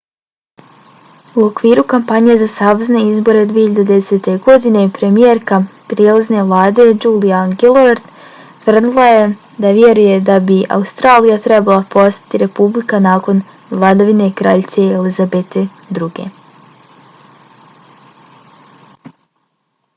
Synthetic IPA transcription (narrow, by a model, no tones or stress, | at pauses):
uo̞kʋiːɾukampaɲe̞zasaʋzne̞izbo̞ɾe̞d̪ʋiːeçiʎad̪ed̪ese̞t̪e̞ɡo̞d̪ine̞pɾe̞mijeɾkapɾjelˠazne̞ʋlˠaːd̪e̞d͡ʒuːliaɡilˠoɾt̪ | t̪ʋr̩d̪ilˠaje | d̪aʋje̞ɾuje̞d̪abiʔa̰ust̪ɾaːlijat̪ɾebalˠapo̞st̪ḁt̪iɾe̞publikanaːko̞n | ʋlˠad̪aʋine̞kɾa̰ːʎt̪seelizabet̪ʰe̞ | d̪ɾuɡe̞̰